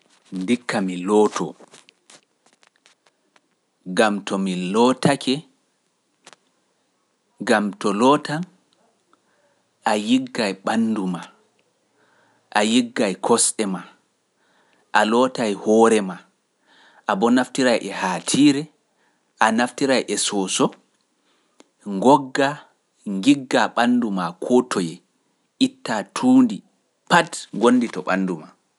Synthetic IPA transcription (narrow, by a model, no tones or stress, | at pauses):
ndikːamilɔːtʰɔ̰ | ɡamtɔmilɔːtakɛ | ɡamtɔlɔːtan | ʔajiɡːajɓanːduma | ʔajiɡːajkʰɔsɗɛma | ʔalɔːtajhɔːɾɛma | ʔabɔnaftiɾajʔɛhaːtʰiɾɛ | ʔanaftiɾajʔɛsɔːsɔ | ŋɡɔɡːa | ŋɡiɡːaɓandumakʰɔtʰɔjɛ | ʔitːatʰuːndi | patɡonːditɔɓanduma